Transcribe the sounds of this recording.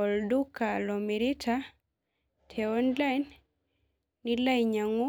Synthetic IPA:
ɔ˨ldu˦ka˨lɔmi˨ɾi˦tʰa | tʰɛɔ˦nlajn | ila˦jɲa˨ŋu˦

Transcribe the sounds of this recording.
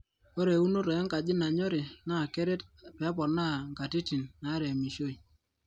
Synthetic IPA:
o˦ɾe˨u˦no˦ɾɔ˨ɛ˦ŋka˨d͡ʒɪ˦na˨ɲɔ˦ɾɪ˨na˦˨kɛ˦ɾe˦tpɛ˨˦pɔ˨na˦˨ŋka˨ti˦ti˨nːa˨˦ɾɛ˨mi˨ʃo˦i˨

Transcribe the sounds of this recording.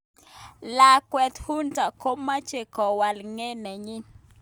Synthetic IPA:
la˨kwɛ˨t̪hu˦nta˨ko˦mːa˦t͡ʃe˨kɔ˨wa˨lŋe˦nɛ˨ɲɪ˦

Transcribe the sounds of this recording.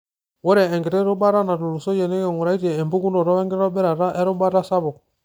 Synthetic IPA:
wɔ˦ɾe˨ɛ˨ŋɡi˨ɾɛ˦ɾo˦ba˦ɾa˦na˨tu˨lu˨so˦je˨ne˦ke˨ŋu˨ɾa˨˦i˦te˨e˨mbu˦ku˦ndo˨ɾɔ˦e˦ŋɡi˦ɔ˦bɛ˦ɾa˨ɾa˦ʔe˦ɾo˦ba˦ɾa˦sa˦βo˨k̚

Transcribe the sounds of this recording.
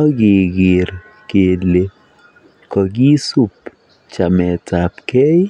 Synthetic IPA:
ɔ˦ɡɪ˨ɡɪ˨ɾ | ke˨le˨ | kɔ˨ɡi˦su˦p | t͡ʃa˨mɛ˨ta˨pkɛ˦j

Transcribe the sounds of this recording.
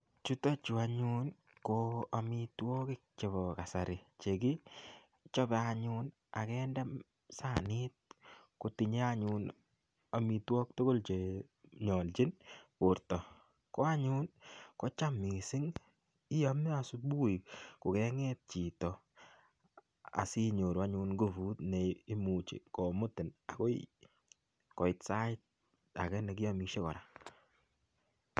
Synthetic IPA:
t͡ʃu˦tɔ˦t͡ʃu˨a˨ɲu˦n | koa˨mitwɔ˦kɪ˦k̚t͡ʃe˨βɔ˨ka˨sa˨ɾɪ˨t͡ʃe˨ki˦ | t͡ʃɔ˦bɛ˨a˧ɲun | a˨kɛndɛ˦m | sa˦˨nɪ˦t̚ | ko˨ti˨ɲe˦a˦ɲun | a˨mi˨twɔ˦k̚to˦ɡo˦lt͡ʃe˨ | ɲɔ˨lt͡ʃi˦nkʊ˨ɾtɔ˨ | kɔ˦a˦ɲu˦nkɔ˦t͡ʃa˦mi˨sɪ˦ŋ | i˦ja˦m˦a˨su˦bu˦i˨ko˨kɛ˨ŋɛ˦t̚t͡ʃi˨tɔ˨ | a̰˨si˦ɲo˨ɾu˨a˦ɲu˧nɡo˦fu˦tne˨i˦mu˨t͡ʃḭ˨kɔ˨mʊ˦tɪ˨na̰˨ko˦ḭ | kɔ˨ɪ˨tsa˦ɪt̚ | a̰˨kɛ˦ne˨ki˦jɔ˦miʃe˦kɔ̰˨ɾa˨

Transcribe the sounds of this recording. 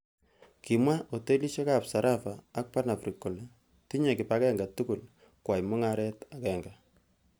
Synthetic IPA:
ki˨mwa˦ʔo˨te˦li˦ʃe˦ka˨psa˨ɾʔa˦faː˨˦k̚pa˦na˨fɾi˨kːo˨le˨ | ti˦ɲe˨kɪ˨pa˦kɛ˦ŋɡa˨tu˦ku˨l | kwa˨jmʊ˦ŋa˦ɾɛ˦ta˨kɛ˨ŋɡa˨

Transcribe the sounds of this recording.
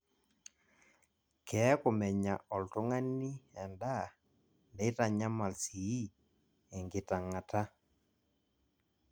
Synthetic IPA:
kɛ˨˦ko˨mɛ˨ɲa˨ɔ˨lto˦ŋa˦ni˦ɛ˨nda˦˨ | ndɛ˨˦ta˨ɲa˦ma˨lsi˨i˦ | ɛ˨ŋɡɪ˨ta˨ŋa˨ta˦

